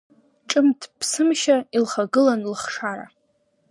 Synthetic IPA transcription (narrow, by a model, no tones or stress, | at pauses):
ʈ͡ʂʼɨmtʰpʰsɨmʃailχaɡɨlanlχʂaɾa̰